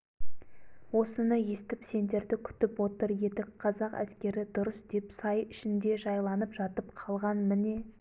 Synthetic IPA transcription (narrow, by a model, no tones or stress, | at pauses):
wo̞sənəje̞st̪ɪpse̞nd̪e̞ɾd̪ɪkʲʰʏ̥t̪ɪpwo̞t̪əɾje̞t̪ɪkqʰɑzɑqæ̰skʲe̞ɾɪd̪ʊɾəsd̪̥e̞psɑjʏʃɪnd̪e̞ʒɑjlˠɑnəpʒɑt̪əpqʰɑlˠʁɑnmɪne̞